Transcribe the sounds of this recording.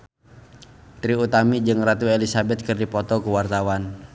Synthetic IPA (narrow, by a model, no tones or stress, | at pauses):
t̪ɾiut̪amid͡ʒɨŋrat̪uelisabɛt̪̚kɨrdipɔt̪ɔkəwart̪awan